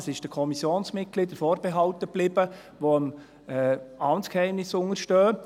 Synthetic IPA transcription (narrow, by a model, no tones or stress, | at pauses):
sɪʃd̥əkʰɔmisjoːnsmɪt̚ɡ̥lidəfɔːɾb̥ɛɦɑltəb̥lɪb̥ə | ʋoəm | ɛɑnskhɛɪmnɪsʊŋəɾʃtøː